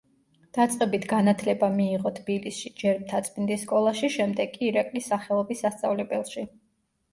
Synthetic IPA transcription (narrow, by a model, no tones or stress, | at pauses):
d̪̥at̪sʼqʼɛbit̪ʰɡanat̪ʰlɛbamiːʁɔt̪ʰb̥ilisʃid͡ʒɛɾmt̪ʰat̪sʼmind̪isːkʼɔlˠaʃiʃɛmd̪ɛɡʼiːɾakʼlisaχɛlˠɔbisast̪sʼavlɛbɛlˠʃi